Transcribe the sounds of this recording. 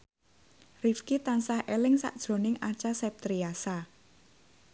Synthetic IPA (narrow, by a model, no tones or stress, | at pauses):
rifkit̪ansahelɪŋsa̰ʔd̥ʒ̥ɾo̤nɪŋat͡ʃasɛp̚t̪ɾiasa